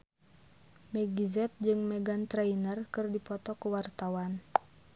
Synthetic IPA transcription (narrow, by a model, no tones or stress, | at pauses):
mɛɡizɛt̪̚d͡ʒɨŋmɛɡant̪ɾainərkɨrdipɔt̪ɔkuwart̪awan